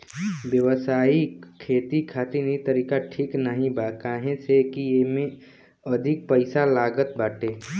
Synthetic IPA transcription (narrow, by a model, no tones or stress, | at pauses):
bjəʋəsaːikʰeːt̪ikʰaːt̪inet̪əɾiːkaʈʰiːknəɦĩbaːkaːɦẽsekijemẽ | əd̪ʱɪk̚pəɪsalaːɡət̪̚baːʈeː